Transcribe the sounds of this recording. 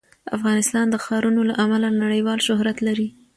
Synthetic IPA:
a̰fɣɑnɪst̪ɑnd̪əxɑɾunolaʔamalanaɽəjwɑlʃʊɦɾat̪laɾi

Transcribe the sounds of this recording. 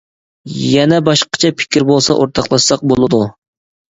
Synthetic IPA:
jɛnɛbɑʃqɑ̥t͡ʃʰɛpʰɪ̥kʲʰɪɾbolˠsɑ̰ʔoɾt̪ʰɑqlˠɑʃsɑq̚bolˠɨd̪u

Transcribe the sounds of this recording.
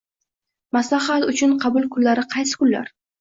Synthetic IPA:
maslaχat̪ʊt͡ʃʰʊnqʰɑbʊlˠkʰʊlːaɾɪqʰɑjsɪ̥kʊlːa̰ɾ

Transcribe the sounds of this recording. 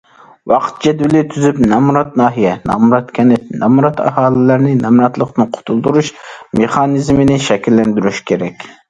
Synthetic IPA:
wɑqʰə̥t̪̚d͡ʒɛd̪wɪlɪt̪ʰyzypnɑmuɾɑt̪̚nɑːɦijɛnɑ̰muɾɑt̪kʲʰɛnɪp̚nɛmuɾɑt̪ʰɑ̰hɑːlˠɪlæɾnɪnɛmɾɑt̪lˠəqnɨqʰʊ̥t̪ʰulˠd̪uɾuʃmeχɑnɨzmɪnɪʃɛkʲʰilːɛnd̪yɾyʃkʲʰeɾɛkʲ

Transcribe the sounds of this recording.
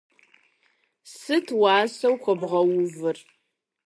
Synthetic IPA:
sɨtʰwɑːsɐwkʷɔbʁɐwʊvɨr

